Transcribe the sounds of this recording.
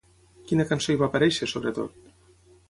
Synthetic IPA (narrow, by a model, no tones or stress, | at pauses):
kinakansojβapaɾɛʃesoβɾet̪o̰t̪̚